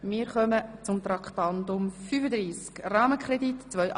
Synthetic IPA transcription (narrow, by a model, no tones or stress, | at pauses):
mɪːɾχœmət͡sʊmt̪ɾɑkχt̪ɑnd̪ʊmfyːfəd̪ɾiːskrɑːməkʰrɛd̪itt͡sʋœʏʔ